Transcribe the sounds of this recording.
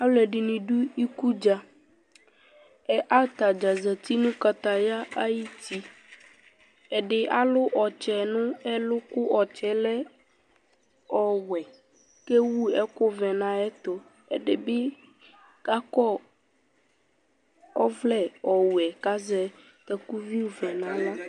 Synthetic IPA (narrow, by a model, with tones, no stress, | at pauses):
a˦wlɛ˨ɖi˨nĩ˨ɖu˦i˦ku˦d͡ʒa˨ | ɛ˦ʔa˦t̪a˨d͡ʒa˨zɛ˨t̪i˦nũ˦ka˨t̪a˨ja˦a˦ji˦t̪i˦ | ɛ˨ɖe˨ʔa˦lʊ˦ʔɔ˨t͡ʃɛ˨nʊ̃˦ɛ˦lʊ˦kʊ˦ʔɔ˨t͡ʃɛ˦lɛ˦ | ɔ˨wɛ˨ | ke˦wu˦ɛ˦ko˦vɛ˨nã˦ɛ˦t̪ɔ˨ | ḛ˦ɖe˨be˦ | ka˦kɔ˦ | ɔ˦vlɛ˦ɔ˨wɛ˨ka˦zɛ˦ | tɛ˨ku˦vi˦˨vɛ̃˨nã˦la˦